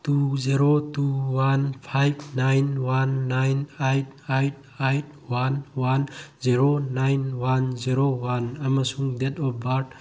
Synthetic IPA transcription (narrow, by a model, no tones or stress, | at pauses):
tuziɾotuwanpʰajb̚ʰnajnwanːajnajt̚ʰajt̚ʰ | ajt̚ʰ | wanwanziɾonajnwanziɾowanamasuŋdetɔp̚baɾt̚